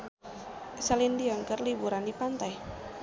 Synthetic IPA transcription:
salindiɔŋkərlibuɾandipant̪aj

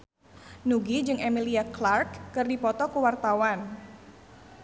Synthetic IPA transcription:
nuɡid͡ʒɨŋemiliaklarkːɨrdipɔt̪ɔkuwart̪awan

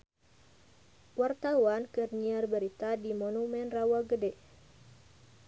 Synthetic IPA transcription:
wart̪awankərɲiərbəɾit̪adimonumɛnrawaɡədɛʔ

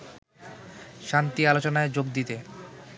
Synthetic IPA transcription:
ʃant̪ialot͡ɕonaed͡ʑoɡ̚d̪it̪e

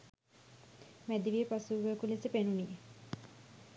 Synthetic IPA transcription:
mæd̪iʋiepasuːɡəkulisepenunije

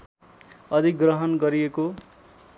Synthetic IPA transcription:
ʌd̪ʱikɡrʌɦʌnɡʌɾijeko

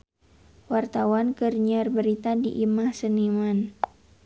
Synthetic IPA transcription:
wart̪awankərɲarbəɾit̪adḭʔimahsəniman

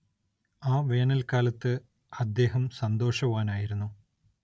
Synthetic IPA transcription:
aːʋe̞ːɳɐlkaːlɐt̪ːɨ | ɐd̪ːe̞ːɦɐmsɐnd̪o̞ːʂɐʋaːnaːjiɾunːu

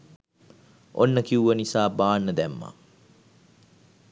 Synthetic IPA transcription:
onːəkiuʋənisaːbaːnːəd̪æmːa̰

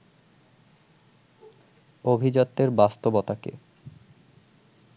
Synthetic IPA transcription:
obʱid͡ʑɔt̪ːeɾbast̪obɔt̪akḛ

